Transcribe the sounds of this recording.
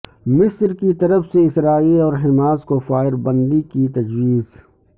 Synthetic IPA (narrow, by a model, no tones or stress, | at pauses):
mɪsɾkit̪ɐɾəfseɪsɾaːiːlɔːɾɦɪmaːzkofaːɪɾbə̃nd̪ikit̪ɐd͡ʒwiːz